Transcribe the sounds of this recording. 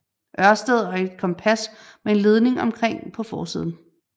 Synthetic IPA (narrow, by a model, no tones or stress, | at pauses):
ʔɶɐsd̥əð̩ˠɒ̽e̝d̥kʰɒ̽mpʰæsmee̝nle̝ð̞ˠne̝ŋɒ̽mkʰʁeŋ̰pʰɒ̽fɒːsḭːðˠn̩